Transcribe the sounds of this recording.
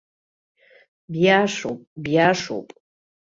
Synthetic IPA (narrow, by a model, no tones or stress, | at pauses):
bjaːʂowpʼbjaːʂo̰wpʼ